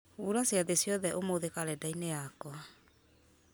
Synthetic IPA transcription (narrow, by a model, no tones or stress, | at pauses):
uɾasjaðesjɔðɛʔomoðekaɾɛdainejakɔa